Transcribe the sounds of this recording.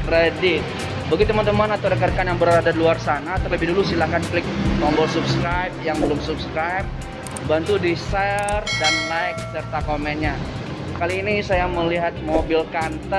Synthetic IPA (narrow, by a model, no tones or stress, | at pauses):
redɪt̪̚ | bəɡit̪əmant̪əmanat̪awdəkarkanjaŋbəɾadadiluarsanat̪ərləbɪhdulusilahkanklɪk̚mɔmbɔlsupskɾajp̚jaŋbəlʊmsupskɾajp̚ | bant̪udisɛrdanlaɪk̚sərt̪akomɛnɲa | kaliːnisajaməliɦat̪̚mobilkant̪ə